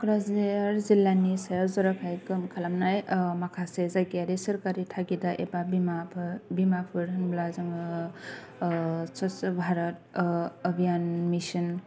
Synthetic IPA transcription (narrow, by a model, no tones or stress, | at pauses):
kɾazeɾzilanisajɾzɔɾakʰajkɯmkʰalamnajmakʰasezaɡiaɾisəɾkaɾit̪ʰaɡidaʔebabimabimapʰɯɾɯnblazɯŋ | sɔsbʱaɾɔt̚əbʱijanmisɯn